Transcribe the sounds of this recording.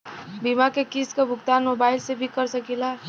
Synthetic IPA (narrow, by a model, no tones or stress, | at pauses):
bimakekiskebʱʊkt̪anmobaɪlsebʱikəɾsəkila